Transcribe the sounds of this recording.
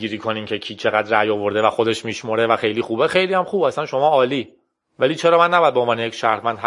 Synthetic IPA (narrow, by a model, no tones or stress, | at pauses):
iːɾiːkʰoniːmcʰecʰiːt͡ʃʰe̞ɣæd̪ræjovo̞ɾd̪e̞væxod̪e̞ʃmiːʃmoɾevæxejliːxuːbexejliːhæmxuːbæsænʃo̞mɒːɒːliː | væliːt͡ʃʰeɾɒːmænːæbɔjæd̪̚beonvɒːnejecʃæɾhmænd̪h